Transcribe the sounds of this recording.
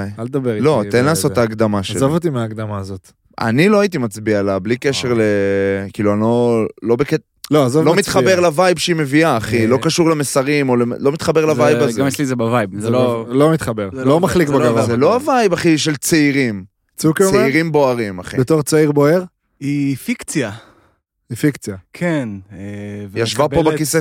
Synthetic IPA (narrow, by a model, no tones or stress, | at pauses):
jald̪abeʁlo̞enlaːso̞ttaːɡd̪amaʃezavot̪imeaːɡd̪amaːzot̪ | a̰nilo̞ait̪̬imat͡sbialablike̞ʃe̞ʁlekiːluano̞lo̞beket | loazovlo̞mit̪χabeʁlavajbʃeime̞viaːχilo̞kaʃuʁlemesaʁimo̞lelo̞mit̪χabe̞ʁlavajbazmelizebavajbzlolomit̪χabeʁzlomaχlikbaɡavazeloavajbaχiʃelt͡seiʁim | t͡sukeiʁimbo̞aʁimaχḭbet̪oʁt͡saiʁboeʁ | ifikt͡sja | ifikt͡sjakʰenevjaʃvabpobekise